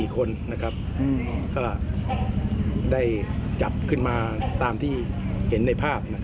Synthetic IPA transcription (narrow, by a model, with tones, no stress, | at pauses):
i˨˩kʰo˧nːa˦˥kʰɾa˦˥p̚ːkɔː˥˩ | da˥˩jt͡ɕa˨˩p̚kʰɯ˥˩nmaː˧t̪aː˧mt̪ʰiː˥˩ | he˩˦nːa˧jpʰaː˥˩p̚na˦˥kʰ